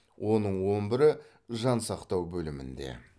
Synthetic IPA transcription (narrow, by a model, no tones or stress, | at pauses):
wʔo̞nəɴwo̞nbɪɾɪ | ʒɑnsɑqt̪ɑwbɵlɪmɪ̰nd̪e̞̰